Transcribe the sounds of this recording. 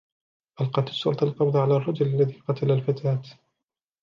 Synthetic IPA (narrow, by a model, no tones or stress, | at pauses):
ʔalqɑt̪ɪsˤːʊlt̪ɑlqɑbðˤʕalaːrˤːɑd͡ʒʊlalːaðiːqɑt̪alalfat̪ʰaːt̪